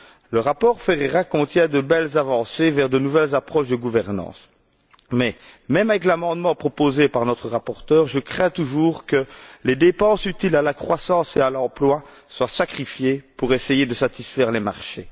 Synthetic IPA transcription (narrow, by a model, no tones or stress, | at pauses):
ləʁapɔːʁfeʁeʁakɔ̃t̪jɛ̃d̪əbɛlzavɑ̃sevɛʁd̪ənuvɛlzapχɔʃd̪əɡuvɛʁnɑ̰̃s | mɛ | mɛmavɛk̬lamɑ̃d̪mɑ̃pχɔpozepaʁnɔt̪χəʁapɔʁt̪œːʁʒəkχɛ̃t̪uʒuːʁkəled̪epɑ̃syt̪ilalakχwasɑ̃sealɑ̃plwa | swasakχifjepuʁesejed̪əsat̪isfɛʁlemaʁʃe